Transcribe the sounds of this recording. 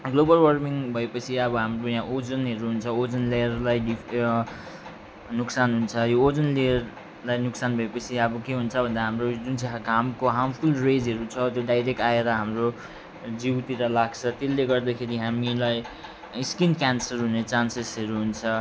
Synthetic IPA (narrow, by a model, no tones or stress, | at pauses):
ɡlobʌlwʌrmiŋbʱʌepʌt͡sʰiʌbʌɦamrojãʔod͡zʌnɦʌɾuɦunt͡sʰʌod͡zʌnlejʌrlajɖi | nuksanɦunt͡sʰʌjoːd͡zʌnlejʌr | lajnuksanbʱʌepʌt͡sʰiʌbʌkeɦunt͡sʰʌbʱʌnd̪aɦamrod͡zunt͡saɦaɡʱamkoɦampʰulred͡zɦʌɾut͡sʰʌt̪joɖajɾek̚ʈaeɾʌɦamro | d͡ziwt̪iɾʌlaɡ̚t͡sʰʌt̪elːeɡʌrd̪akʰeɾiɦamilaj | iskinkjansʌrɦunet͡sansesɦʌɾuɦunt͡sʰʌ